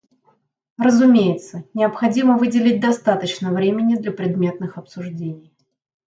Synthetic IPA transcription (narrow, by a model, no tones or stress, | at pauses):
rəzʊmʲejɪt̪sənʲɪɐpxɐdʲiməvɨdʲɪlʲɪt̚ʲd̪ɐst̪at̪ət͡ɕnəvɾʲemʲɪnʲɪd̪lʲɐpɾʲɪd̪mʲe̞t̪̚nɨxɐpsʊʐdʲenʲɪj